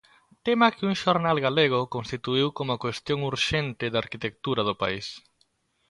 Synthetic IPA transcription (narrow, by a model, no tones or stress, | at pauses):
t̪emɐkɪuŋʃoɾnalɣaleɣ̞ʊkõnst̪it̪uiwkomʊkwest̪jõŋuɾʃent̪ɪðaɾkit̪ek̚t̪uɾɐð̞ʊpa̰is